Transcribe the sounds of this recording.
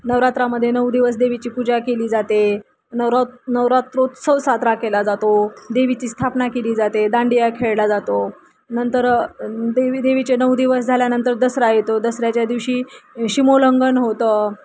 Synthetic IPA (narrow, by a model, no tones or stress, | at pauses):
nəʋɾat̪ɾaməd̪ʱːjenəwd̪iʋəs̬d̪eʋ̤it͡ɕiːpud͡ʑakeliːd͡zat̪e | nəɾnəʋɾat̪ɾot̪səʋsat̪ɾakelad͡zat̪od̪eʋit͡ɕiːst̪ʰapnakeliːd͡zat̪ed̪ãɳɖijakʰeɭlad͡zat̪o | nənt̪əɾd̪eid̪eʋit͡ɕenəwd̪iʋəs̬d͡zʱaljanənt̪əɾd̪əsɾajet̪od̪əsɾjat͡ɕjad̪iʋɕiːɕimoləŋɡənɦot̪ə